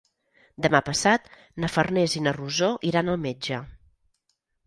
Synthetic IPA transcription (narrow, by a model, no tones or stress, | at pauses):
d̪əmapəsat̪ | nəfərnezinəruzoʔiɾanəlˠmed͡ʒə